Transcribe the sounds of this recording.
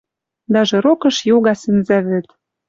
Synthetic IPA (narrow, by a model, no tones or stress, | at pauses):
d̪æʒɤ̆ɾokɤ̆ʃjoɣɑsɘ̆nzæβɘ̆t̪